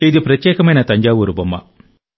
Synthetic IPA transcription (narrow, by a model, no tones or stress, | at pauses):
id̪ipɾɐt̪jeːkɐmɐjnɐt̪ɐɲd͡ʒaːʋuɾubɐmːɐ̰